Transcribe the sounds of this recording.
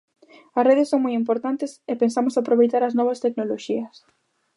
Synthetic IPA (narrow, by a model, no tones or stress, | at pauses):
ɐsreðɪsːoŋmojimpoɾt̪ant̪ɪsepensamʊsapɾoβejt̪aɾɐznɔβ̞ɐst̪eknoloʃiɐs